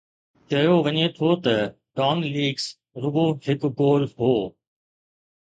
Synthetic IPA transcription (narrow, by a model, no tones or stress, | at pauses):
t͡ʃɐjoʋɐɲet̪ʰot̪ɐ | ɖaːnliːɡs | ɾʊboːɦɪkɡoːɾɦoː